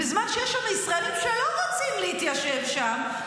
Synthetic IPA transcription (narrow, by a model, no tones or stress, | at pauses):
ɪzmanʃejeʃameisʁaelimʃeloʁot͡simliit̪jaʃevʃam